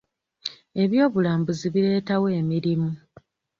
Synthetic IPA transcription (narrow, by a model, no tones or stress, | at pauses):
e̞βjo̞ːβulaːmbuziβiɾe̞ːtawe̞ːmiɾimu